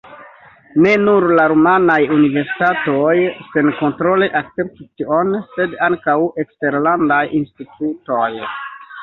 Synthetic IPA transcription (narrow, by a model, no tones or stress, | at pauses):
ne̞nuɾlaɾumanajunive̞ɾsi̥tatojse̞nko̞ntɾo̞leʔak̚tt͡se̞p̚titio̞nse̞daŋkawe̞kste̞ɾlandajinstituto̞j